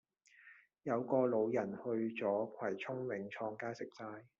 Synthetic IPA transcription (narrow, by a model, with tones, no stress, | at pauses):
jɐ˨˧wkɔː˧lo˨˧wjɐ˨˩nhɵ˧ɥt͡sɔː˨˥kʷʰɐ˨˩jt͡ʃʰʊ˥ŋwɪ˨˥ŋt͡ʃʰɔː˧ŋkaː˥sɪ˨k̚saː˧j